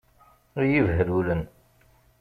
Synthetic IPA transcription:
ɾjivɦəlulən

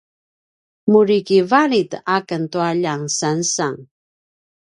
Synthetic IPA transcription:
muɾikivaɾitakəntuaʎaŋsansaŋ

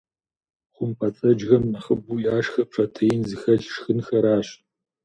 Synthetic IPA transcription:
χʷʊmpʰɐt͡sʼɐd͡ʒɣɐmnɐχəbuːjaːʂxɐp̚ʂʰʼɐtʰɐjɪnzɨxɐɮʂxɨnxɐɾaːɕ

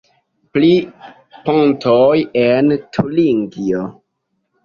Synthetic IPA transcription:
pli | pontʰojentʰuliŋɡio

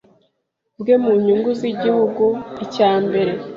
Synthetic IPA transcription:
bɡemuɲuŋɡuziɟihuɡuicaːmbe̞ɾe̞

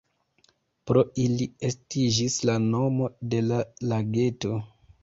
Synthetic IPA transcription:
pɾo̞iliestid͡ʒislano̞mo̞de̞lalaɡe̞to̞

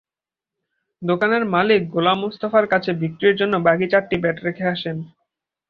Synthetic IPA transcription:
d̪okaneɾmalik̚ɡolamːust̪afaɾkat͡ɕʰebikʈieɾd͡ʑonːobaɡit͡ɕaʈʈibɛʈɾekʰeaʃen

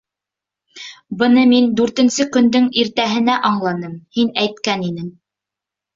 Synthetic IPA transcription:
bɤ̆nɤmind̪ʉɾt̪ɘ̆nsɘkɵ̆nd̪ɵŋiɾt̪æɦɘ̆næʔɑɴlˠɑnɤmhinæjt̪̚kæninɘŋ

